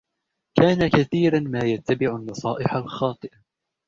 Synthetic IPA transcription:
kaːnakaθiːɾanmaːjat̪ːabɪʕʊnːɑsˤɑːʔɪħalxɑːt̪ˤɨʔa

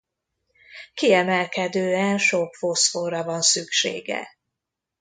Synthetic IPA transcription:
kiɛmɛlkɛd̪øːɛnʃokfosforɒvɒnsykʃḛːɡɛ̰

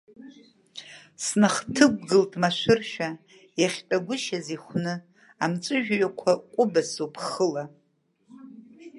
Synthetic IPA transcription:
snaχtʰɨɡ̚ʷʼɡɨltʼmaʃʷɨrʃᶣa | jaχʲtʼaɡʷʊʃaziχʷnɨ | amt͡ʃʼɨʒᶣɥakʷʰakʷʼʊbasopʰχəla

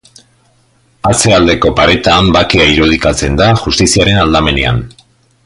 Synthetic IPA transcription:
at͡se̞ald̪e̞ko̞paɾe̞t̪ambakeaiɾuð̞ikat͡se̞nd̪aʝust̪isiaɾe̞nald̪ame̞nḛa̰n

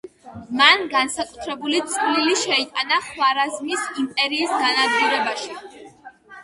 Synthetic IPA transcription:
manɡansakʼut̪ʰɾɛbulit̪sʼliliʃɛit̪ʼanaχwaɾazmisimpʼɛɾiːsɡanad̪ɡuɾɛbaʃi

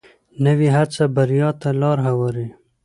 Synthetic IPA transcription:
nəwiɦat͡sabaɾjɑt̪alɑːɾɦawaɾi

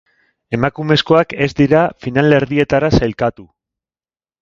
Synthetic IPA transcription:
e̞makume̞sko̞ake̞zd̪iɾafinale̞ɾðie̞t̪aɾasajlkat̪u

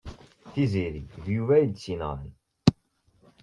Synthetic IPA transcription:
θiziɾiðjuvæjid̪sinə̰ʁə̰n

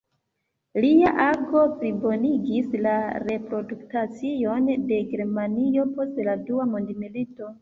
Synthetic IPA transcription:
liaʔaɡo̞pɾibo̞niɡislaɾe̞pɾo̞duktat͡sio̞nde̞ɡeɾmanio̞po̞stladuamundimilito

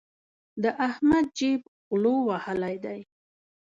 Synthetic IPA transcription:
d̪əʔahmad̪̚d͡ʒib | ɣlowahalajd̪aj

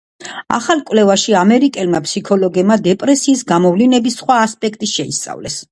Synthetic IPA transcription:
a̰χalˠkʼwlɛvaʃiamɛɾikʼɛlmapsikʰɔlɔɡɛbmad̪ɛpʼɾɛsiːsɡamɔvlinɛbisːχwaːspʼɛkʰt̪ʼiʃɛist̪sʼa̰vlɛs

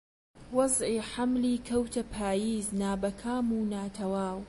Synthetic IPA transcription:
wɑzˤʕiːħamliːkʰɐwt̪ʰɐpʰaːjiːznaːbɐkʰaːmuːnaːt̪ʰɐwaːw

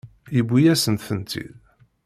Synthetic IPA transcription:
jəbʷːijæsənt̪θənt̪ḭð

